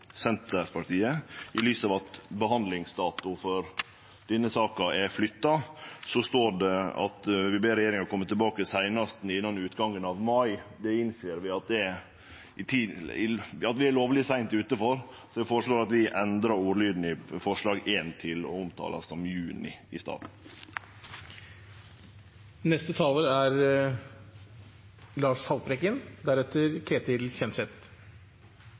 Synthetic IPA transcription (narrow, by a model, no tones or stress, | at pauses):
sɛnt̪əɾpʰɑʈiːəɪlyːsɑːʋɑt̪bəɦɑnd̪lɪŋsd̪ɑːt̪ʊfɔɾ | d̪̥ɛnːəsɑːkɑʔɛɾflʏt̪ːɑsɔst̪oːɖɛɑ̰t̪ʋɪbeːɾɛjeːɾɪŋɑɾkʰɔmːət̪ɛlbɑːkəsæɪnɑst̪n̩ɪnːɑnʉːt̪ɡɑŋːənɑʋmɑɪd̪ɛɪnseːəɾʋɪɑt̪̚d̪ɛ | ɪt̪ʰiːɪɑt̪ʋɪæloːʋlɪsæɪnt̪ʉːt̪əfɔɾ | sɔʋɪfoːɾəʂɭoːɾɑt̪ʋɪʔɛnd̪ɾɑɾuːɾlyːd̪n̩ɪfɔʂɭɑːɡeːnt̪ʰɪlɔ̰ʊmt̪ʰɑ̰ːlɑ̰sːɔmjʉːnɪ̰ɪst̪ɑ̰ːd̪n̩ | nɛst̪ət̪ʰɑːləæɾ | lɑːʂhɑlpɾɛkənd̪æɾɛt̪ʰːəɾkʰɾeːt̪ɪlçɛnsɛt̪